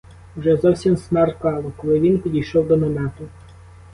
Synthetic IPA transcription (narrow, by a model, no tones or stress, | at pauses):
wʒɛzɔwsʲimsmɑrkɑlˠɔkɔlˠɪʋʲinpʲid̪ʲijʃɔwd̪ɔmɔmɛt̪ʊ